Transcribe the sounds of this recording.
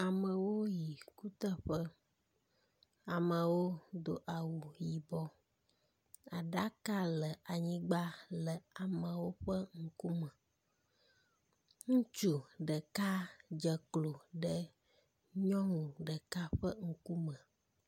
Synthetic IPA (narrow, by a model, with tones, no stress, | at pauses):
a˨mə̃˨wo˦ji˨ku˦t̪ə˦ɸə˦ | a˨mə̃˨wo˦d̪o˨ʔa˨wu˨ji˨bɔ˦ | a˨ɖa˦ka˦lə˨a˨ɲĩ˦ɡ͡ba˦lə˨a˨mə̃˨wo˦ɸə˦ŋ̩˦ku˦mə̃˨ | ŋũ˦t͡ʃu˦ɖə˨ka˦d͡ʒə˨klo˨ɖə˦ | ɲɔ̃˦ŋũ˨ɖə˨ka˦ɸə˦ŋ̩˦ku˦mə̃˨